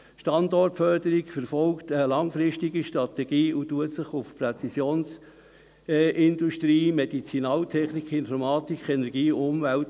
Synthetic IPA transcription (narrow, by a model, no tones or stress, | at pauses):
ʃtɑndɔrtfœɾd̥əɾikfɛɾfɔlktəlɑŋfɾɪʃtiɡiʃtɾɑt̪ɛɡ̥iːutuətsəχʊfpret͡sisjoːns | ʔɪnd̥uʃtɾiːmed̥it͡sinɑːltʰɛχnikχɪnfɔɾmɑːtikχɛnɛɾɡ̥iːʊmvælt